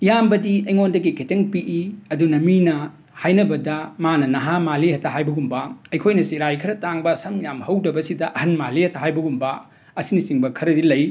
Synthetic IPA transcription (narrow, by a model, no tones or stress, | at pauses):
jambɐdiɐjŋondɐɡikʰeteŋpiʔiɐdunɐminɐ | hajnɐbɐdɐmanɐnɐɦamalihɐtʰɐɦajbɐɡumbɐɐjkʰojnɐsiɾajkʰɐɾɐtaŋbɐsɐmjamhɐwdɐbɐsidɐʔɐhɐnmalihɐtʰɐɦajbɐɡumbɐ | ɐsinisiŋbɐkʰɐɾɐdilɐj